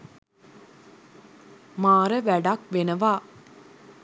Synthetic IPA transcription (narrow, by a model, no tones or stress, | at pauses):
maːɾəʋæɖakʋenɐʋaː